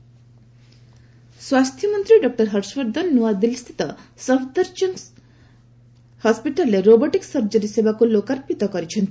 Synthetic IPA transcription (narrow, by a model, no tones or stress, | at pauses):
swast̪ʰjɔmɔnt̪ɾiɖɔk̚ʈɔɾɦʌɾswɔɾd̪ʱɔnːuad̪ilst̪ʰi̥t̪ɔsɔbʰd̪əɾd͡ʒɔn | hɔspiʈɔlːeɾobɔʈiksʌɾd͡ʒɔɾisebakulokaɾpit̪ɔkɔɾit͡ʃʰɔnt̪ʰi̥